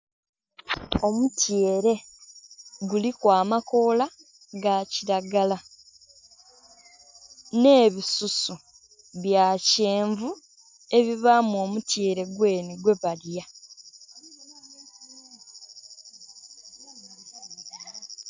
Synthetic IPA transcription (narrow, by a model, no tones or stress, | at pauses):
o̞mutjeːɾe̞ | ɡulikwaːmako̞ːla | ɡaciɾaɡala | ne̞ːβisusu | βjaːceːɱvu | e̞βiβaːmuo̞ːmutje̞ːɾe̞ɡwe̞ːniɡwe̞βalja